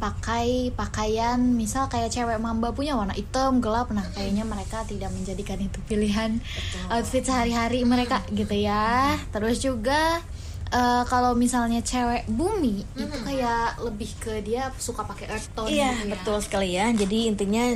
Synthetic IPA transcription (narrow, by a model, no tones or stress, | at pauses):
pakajpakajanmisalkajaʔt͡ʃewɛʔmambapuɲawarnaʔit̪əmɡəlap̚nahkajaɲaməɾekat̪idak̚məɲd͡ʒadikanit̪upiliɦan | awt̪fɪt̪̚səɦaɾiɦaɾiməɾekaɡit̪ujat̪əɾʊsd͡ʒuɡa | əkalowmisalɲat͡ʃewɛʔbumiut̪ukajaʔləbɪhkədiasukapakeʔərt̪ɔjabət̪ʊlsə̥kalijad͡ʒadiːnt̪iɲa